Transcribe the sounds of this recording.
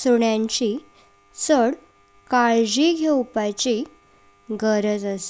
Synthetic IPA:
suɳjãɲt͡ɕi | səɽ | kaɭd͡ʑiɡʱewpat͡ɕi | ɡəɾəd͡zəs

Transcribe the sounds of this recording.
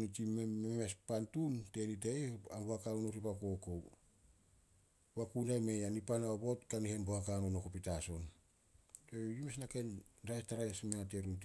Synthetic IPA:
nit͡ʃimmememespantunte̞niteeambohakanonoɾipako̞ko̞w | bakunamejanipanaobo̞tkanihenbohakanonokopitaso̞n | tejumesnakenɾajstaɾaesmeŋateɾunt

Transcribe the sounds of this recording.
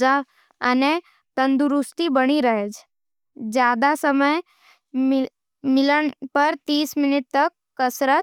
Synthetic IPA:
a | əne | t̪ənd̪uɾust̪ibəɽ̃iɾəɦed͡ʒ | d͡ʒjad̪asəməj | m | mɪləɳ̃pəɾt̪iːsmɪnɪt̪̚t̪əkːəsɾət̪̚

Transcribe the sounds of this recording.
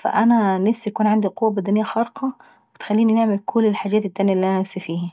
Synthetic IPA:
fæ̰ʔænænafsijækuːnʕand̪iqowːæbæd̪ænɪjːæxɑɾqɑ | bɪt̪xælːiːnineʕmɪlkʰʊlːelħaːd͡ʒæːt̪et̪ːæːnjæʔlːiʔænænæfsifiːhi

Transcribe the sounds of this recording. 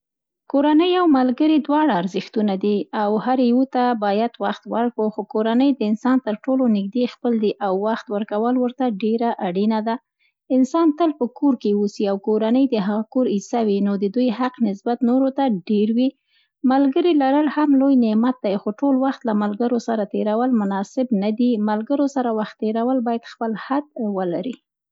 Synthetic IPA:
koɾanəjawmalɡəɾid̪wɑɽaːɾzəxt̪unad̪iawhaɾwut̪abɑjad̪waxt̪waɾkəxokoɾanəjd̪əɪnsɑnt̪əɾʈolonɪɡ̚d̪expəld̪iʔawːaxt̪wəɾkawəlwəɾt̪aɖeɾaʔaɽinad̪a | ɪnsɑnt̪əlpəkoɾkeusiawkoɾanəjd̪əɦaɣakoɾisawinod̪əd̪ujhaqnɪsbat̪noɾot̪aɖeɾwi | malɡəɾilaɾəlhamlojnɪmat̪̚d̪ajxoʈolwaxt̪lamalɡəɾosaɾat̪eɾawəlmʊnɑsɪbnad̪imalɡəɾosaɾawaxt̪ːeɾawəlbɑjad̪xpəlhad̪̚wəlaɾi

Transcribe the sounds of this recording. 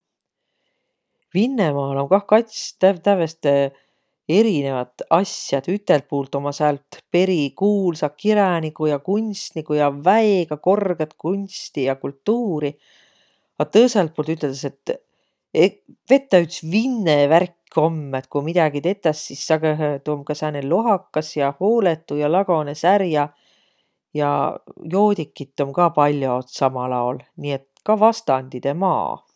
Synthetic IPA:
vinːemɑːlo̞nkɑhkɑt̪st̪æt̪ævest̪e | e̞ɾine̞vɑt̪ˑɑsjɑd̪̥yt̪ːˑe̞lt̪̚puːlt̪ːˑo̞mɑsɑlt̪pe̞ɾikuːlsɑkiɾɑnikːˑujɑkunʲst̪nikːˑujɑvæeɡ̥ɑko̞rɡ̥et̪kunʲst̪ijɑkult̪ːuːɾi | ɑt̪ɤjselt̪̚polt̪yt̪ˑːeld̪ese̞t̪ | eve̞t̪ːˑɑyt̪svinːeværkːio̞mːet̪kumid̪ɑɡit̪e̞t̪ːˑɑsːisːɑɡeɦt̪umkɑsæneloɦɑkːɑsjɑhoːle̞t̪ˑːujɑlɑɡ̥o̞nesæɾjɑ | jɑ̰jo̞ːd̪ikːˑit̪ːˑo̞mkɑpɑlʲːjot̪sɑmɑlɑolniːe̞t̪kɑvɑst̪ɑnʲd̪̥id̪̥e̞mɑ̰ː

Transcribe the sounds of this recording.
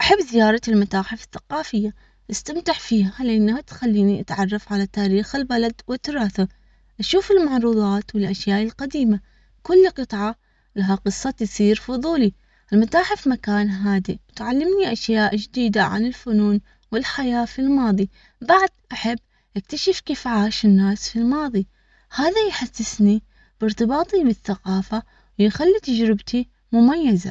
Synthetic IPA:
ʔaħɪbːzɪjɑːɾˤɑɪlmat̪aːħɪfɪθːḁqɑːfɪjːa | ʔɪst̪amt̪ɪħfiːhalɪʔanːahat̪xalːiːniʔat̪ʕɑrˤːɑfʕalat̪aːɾiːxɪlbalad̪wɪt̪ːʊɾˤɑːθa | ʔaʃuːfɪlmaʕɾˤuːðˤɑːt̪wɪlʔaʃjaːʔɪlqad̪iːma | kʊlːqɨt̪ˤʕɑ | laɦaqɨsˤːɑt̪sˤiːɾfʊðˤuːli | ʔɪlmat̪aːħɪfmakaːnɦaːd̪iwɪt̪ʕalːɪmniʔaʃjaːʔd͡ʒd̪iːd̪aʕa̰nɪlfʊnuːn | wɪlħajaːfilmɑːðˤi | baʕd̪ʔaħabː | ʔɪk̚t̪aʃɪfkiːfʕaːʃɪnːaːsfilmɑːðˤi | haːðajħasːɪsni | b̥ɪɾt̪ɨbɑːt̪ˤibɪθːaqɑːfa | wjxalːit̪ad͡ʒɾɪbt̪i | mʊmajːaza̰

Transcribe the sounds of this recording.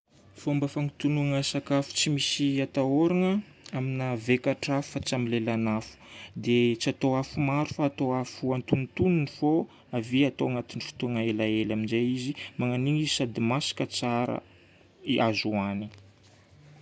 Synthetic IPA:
fombafaŋit̪unuŋəsakafu̥t͡simisiat̪aoɾaŋə | aminavekaʈ͡ʂafu̥fat͡samilelanafu̥d̪et͡siat̪oafumaɾufaːt̪oafuant̪unt̪ununifo | aviat̪oaŋat̪inifi̥t̪uŋaelaelaminzeizimaŋaniŋisad̪imasḁkət͡saɾə̰ | iʔazuani

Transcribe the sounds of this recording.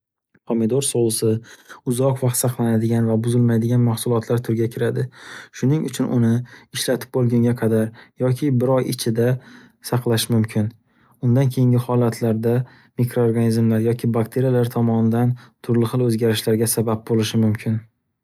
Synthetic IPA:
qʰomɪd̪oɾsolˠsɪʊzɒqvɑqt̪sɑqlˠanad̪ɪɡʲanvabʊzɪlmajd̪ɪɡʲanmahsʊlˠɒt̪ʰlaɾt̪ʰʊɾɡʲakʲʰɪɾad̪ɪʃʊnɪŋʔʊt͡ʃʰʊnʔʊ̰nɪɪʃlat̪ʰɪ̥p̚bolˠɡʲʊŋɡʲaqʰɑd̪aɾjɒkʲʰɪbɪɾɒjɪt͡ʃʰɪd̪a | sɑqlˠaʃmʊmkʲʰɪn | ʊnd̪ankʲʰe̞jɪŋɡʲɪhɒlˠat̪ʰlaɾd̪a | mikɾo̞ːɾɡanizmlaɾjɒkʲʰɪbakt̪ʰe̞ɾijalaɾt̪ʰɒmɒnɪd̪ant̪ʰʊɾlɪχɨlˠɵzɡʲaɾɪʃlaɾɡʲasabap̚bolɪʃɪmʊmkʲʰɪn

